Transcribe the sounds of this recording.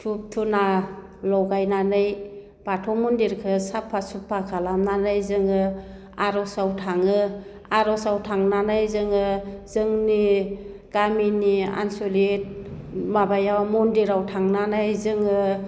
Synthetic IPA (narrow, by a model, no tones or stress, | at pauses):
tʰup̚tʰuna | lɔwɡajnanɯj | b̥atʰɔmundiɾkʰɯsapʰːasupʰːakʰalamnanɯjzɯŋɯ | aɾɔsawtʰaŋɯ | aɾɔsawtʰaŋnanɯjzɯŋɯzɯŋni | ɡ̥aminia̰nsolit̚mabajawmundiɾawtʰaŋnanɯjzɯŋɯ